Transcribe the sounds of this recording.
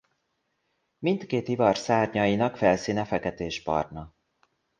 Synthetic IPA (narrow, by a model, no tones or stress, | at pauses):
mint̪keːt̪ivɒrsaːrɲɒjinɒkfɛlsiːnɛfɛkɛt̪eːʒbɒ̰rnɒ